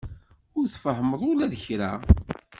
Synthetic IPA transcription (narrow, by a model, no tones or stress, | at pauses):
ʊɾθfəhəməðˤʊlæðəçɾæ̰